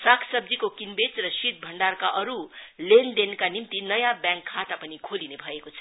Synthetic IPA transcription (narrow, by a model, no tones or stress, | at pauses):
sakʰsʌb̚d͡zikokinbet͡srʌsit̪̚bʱʌɳɖarkaʔʌɾulend̪enkanimt̪inʌjãbjãŋkʰːat̪apʌnikʰolinebʱʌekot͡sʰʌ̥